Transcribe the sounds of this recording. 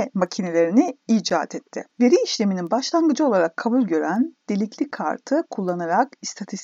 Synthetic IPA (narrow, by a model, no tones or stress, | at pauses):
macʰine̞lʲe̞ɾiniid͡ʒa̰ːt̪ʰɛt̪ʰːɪ̰ve̞ɾiːʃlʲe̞mininbaʃlˠanɡɯd͡ʒɯo̞lˠaɾakʰːabulʲɟø̞ɾænd̪̥e̞lʲiclʲikʰa̰ɾt̪ʰɯkʰulˠːanaɾakist̪ʰat̪ʰist̪